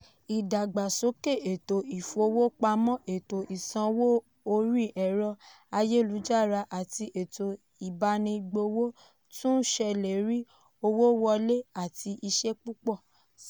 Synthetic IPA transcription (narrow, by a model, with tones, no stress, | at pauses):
i˨da˨ɡ͡ba˨so˨˦ke˦˨e˨to˨i˨fo˧˦wo˦k͡pa˧mɔ̃˦e˨to˨ʔi˨sã˧wo˦ | o˧ɾi˦˨ʔɛ˨ɾɔ˧ | a˧je˦˨lu˨˦d͡ʒa˦˨ɾa˧ʔa˦˨ti˧ʔe˨to˨ | i˨ba˧nĩ˧ɡ͡bo˧wo˦ | tũ˦ʃɛ˧le˨ɾi˦ | o˧wo˦wɔ˧le˦a˦˨ti˧ʔi˧ʃe˦k͡pu˦k͡pɔ˦˨